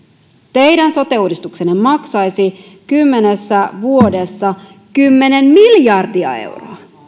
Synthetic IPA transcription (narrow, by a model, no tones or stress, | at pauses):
t̪e̞jdænso̞t̪e̞uːdist̪ukse̞nːemɑksɑjsi | kymːe̞ne̞sːæʋuo̞de̞sːɑ | kymːe̞ne̞mmiljɑrdiɑ̰e̞̰wroɑ